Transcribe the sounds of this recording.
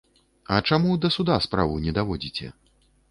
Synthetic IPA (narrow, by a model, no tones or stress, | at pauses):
ɐt͡ʂamud̪ɐsud̪aspɾavɨnʲɛd̪avɔd͡zʲit͡sʲɛ̰